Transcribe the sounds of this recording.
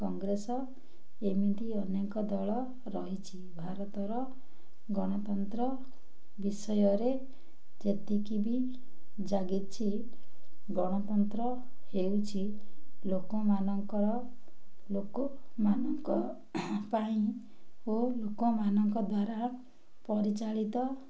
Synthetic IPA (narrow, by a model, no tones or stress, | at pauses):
kɔŋɡɾesɔ | emid̪iɔnekɔd̪ɔɭɔ | ɾɔɦit͡ʃʰibʱaɾɔt̪ɔɾɔ | ɡɔɽ̃ɔt̪ɔnt̪ɾɔ | bisɔjɔɾe | d͡ʒet̪ikibi | d͡ʒaɡit͡ʃʰi | ɡɔɽ̃ɔt̪ɔnt̪ɾɔ | hewt͡ʃʰilokɔmanɔŋkɔɾɔ | lokɔmanɔŋkɔ | paĩ | olokɔmanɔŋkɔd̪waɾa | pɔɾit͡ʃaɭit̪ɔ